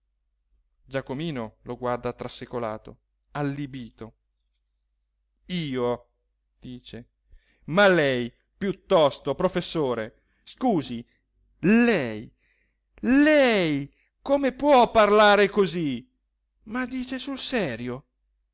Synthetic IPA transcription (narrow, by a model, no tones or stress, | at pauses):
d͡ʒakomiːnoloɡward̪at̪ɾasːikola̰ːt̪o̰ | alːibiːt̪o | iːo | d̪̥iːt͡ʃe | malɛj | pjut̪ːɔst̪opɾofesːoːɾe | skuːzi | lɛj | lɛj | komepwɔpːarlaːɾekozi | mad̪iːt͡ʃesulsɛːɾjo